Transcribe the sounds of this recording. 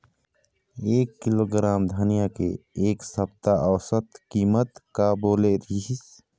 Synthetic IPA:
eːkːɪloːɡɾaːmd̪ʱaːnijakḛeːksəbt̪aʔəʋsət̪kiːmət̪kaboːleɾiis

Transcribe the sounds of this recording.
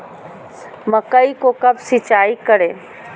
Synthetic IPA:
məkəikokəbsɪt͡ʃaːikəɾe

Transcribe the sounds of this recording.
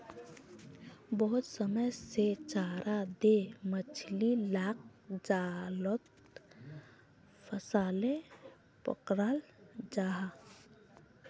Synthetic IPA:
bəɦʊt̪səməjset͡ʃaːɾʔad̪emət͡ʃʰlilaːk̚d͡ʒalot̪ | pʰəsaːle | pə̰kɾaːld͡ʒaːɦa

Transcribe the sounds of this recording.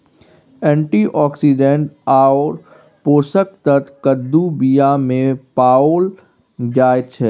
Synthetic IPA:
ɛ̃ːɳʈiʔɔːksiɖẽɳʈaːoːɾ | poːsək̚t̪ət̪kəd̪ːubijamẽpaːoːl | d͡ʒaːjt̪t͡ʃʰɛː

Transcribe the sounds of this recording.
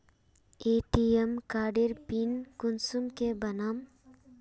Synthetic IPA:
eːʈiemkaːɖiɾpinkʊnsumkebɐnam

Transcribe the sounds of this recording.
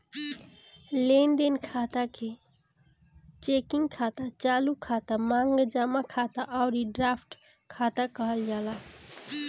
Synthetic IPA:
lend̪enkʰat̪akʰe | t͡ʃekiŋɡkʰat̪at͡ʃalukʰat̪amaŋɡd͡ʒamakʰat̪aʔaʊɾiɖɾapʰʈ | kʰat̪akəɦəld͡ʒala

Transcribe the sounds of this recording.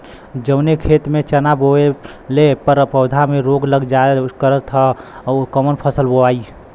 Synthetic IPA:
d͡ʒənekʰet̪met͡ʃənaboe | lepəɾpəʊd̪ʱamẽɾoɡləɡd͡ʒaekəɾət̪ʰəkəmənpʰəsəlboai

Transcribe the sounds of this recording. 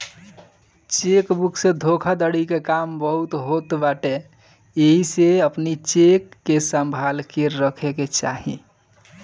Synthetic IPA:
t͡ʃekbukʰsẽd̪ʱokʰad̪əɽikekambəɦut̪ɦot̪baʈe | eɦiseəpnit͡ʃekːesəmbʱalkeɾːəkʰeket͡ʃaɦḭ

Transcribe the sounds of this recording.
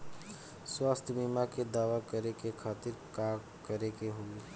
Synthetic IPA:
swaːst̪ʰmiːmaked̪aːʋakəɾekekʰaːt̪ɪɾkaː | kəɾekeɦoːɡe

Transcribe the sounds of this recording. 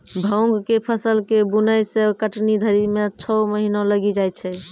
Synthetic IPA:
bʱə̃w̃ɡkepʰəsəlkebunəjsekəʈnid̪ʱəɾimet͡ʃʰɔməɦinõləɡid͡ʒaj̪̚t͡ʃʰɛ

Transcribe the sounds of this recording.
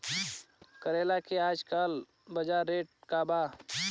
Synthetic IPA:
kəɾeːlakeaːd͡ʒkal | bəd͡ʒaːɾːeːʈ̚kabaː

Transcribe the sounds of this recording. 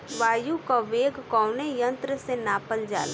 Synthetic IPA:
ʋaːjukaʋeːɡkɔːʊnejə̃nt̪ɾəsenaːpəld͡ʒa̰ːla

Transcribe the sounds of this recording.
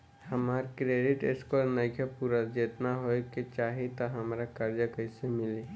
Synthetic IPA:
hɐmaːɾkɾeːɖɪʈɪskɔɾnəkʰjəpuɾad͡ʒeːt̪naɦoeket͡ʃaːɦet̪aɦɐmːɾakaɾjəkəɪsemɪleː

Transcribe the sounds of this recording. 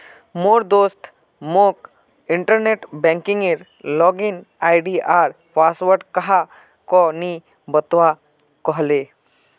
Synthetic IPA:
moːɾd̪oːst̪ | mok | ɪɳʈəɾneːʈbɛ̃ːŋkɪ̃ŋɡeɾ | lɔːɡɪn | aːɪɖiʔaːɾ | paːsʋəɾɖkɐɦa | kɔni | bət̪ʋa | kɔɦleː

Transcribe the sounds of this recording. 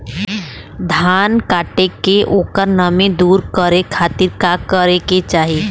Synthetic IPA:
d̪ʱaːnkaːʈekeʔoːkəɾnəmẽd̪uːɾkəɾekʰaːt̪ɪɾkakəɾeket͡ʃaːɦie

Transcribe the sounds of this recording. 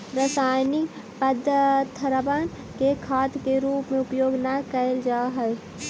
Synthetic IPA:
ɾəsaːjni | pəd̪ʱət̪ʰəɾəban | kekʰaːt̪keɾuːpmẽʊpjoːɡnakəld͡ʒaɦəj

